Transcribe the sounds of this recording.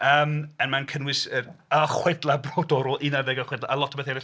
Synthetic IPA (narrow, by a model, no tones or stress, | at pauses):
əːmənmankʰənwɪsəaχwɛdlˠabroːdɔɾʊlˠʔinaðɛɡəχwɛdlaʔalˠɔtʰɔbeθɛɾɪ